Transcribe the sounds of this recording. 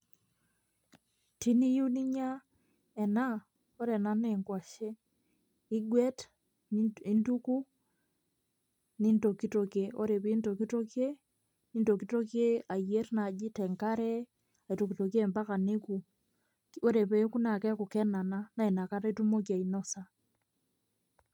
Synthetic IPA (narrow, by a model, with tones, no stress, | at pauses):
ti˦ni˦ju˦ni˦ɲa˦ | ɛ˨na˦ | o˦ɾɛ˨na˦nɛ˨ŋkwa˨ʃe˦ | i˦ɡwɛ˦t | i˦ndu˦ku˦ | ni˦ndo˨ki˦to˨ke˨o˦ɾe˨pi˦ndo˨ki˦to˦kje˦ | ni˦ndo˨ki˦to˦kje˦a˨je˦ɾna˨d͡ʒi˦tɛ˨ŋka˦ɾɛ˦ | a˨i˨to˨ki˨to˨ke˦˨mba˦ka˨ne˦ku˨ | o˦ɾe˨pɛ˦ku˦na˨kɛ˦ku˨kɛ˦na˨na˦na˨i˨na˨ka˦ɾa˦i˦tu˦mo˦kja˨ino˦sa